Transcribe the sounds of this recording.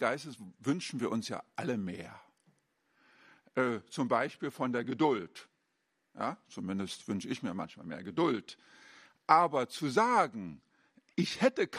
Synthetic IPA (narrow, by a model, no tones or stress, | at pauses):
ɡ̥aɪstəsvʏnʃn̩viːɐʔʊnsja̰ːʔaləmeːɐ | ʔɛːt͡sʊmbaɪʃpiːlfɔndeːɐɡədʊlt | ja̰ːt͡sumɪndəstv̥ʏnʃəɪçmiːɐma̰nçma̰ːlmḛːɐɡədʊlt | ʔaːbɐt͡suzaːɡŋ̩ | ʔɪçhɛtəkʰ